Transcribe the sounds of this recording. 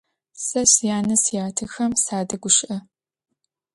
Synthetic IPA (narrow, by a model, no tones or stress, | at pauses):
sɐsjaːnɐsjaːtʰɨxɐmsaːdɐɡʷʊʃʔɐ